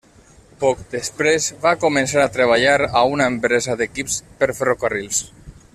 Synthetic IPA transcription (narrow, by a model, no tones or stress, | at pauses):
pɔkd̪əspɾezβakumensaɾat̪ɾəβ̞aʎaɾaunaempɾezaðekipspəɾferokarilˠs